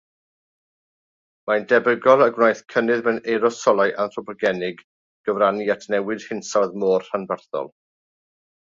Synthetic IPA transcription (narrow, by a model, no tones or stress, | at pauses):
mandɛbəɡɔlˠəɡwnajθkʰənɨðmɛneɾɔsɔlˠajʔanrɔpʰɔɡɛnɪɡ | ɡ̥əvɾaniatʰnɛwɨd̥hɪnsaðmoːr̥hanvərθɔ̰lˠ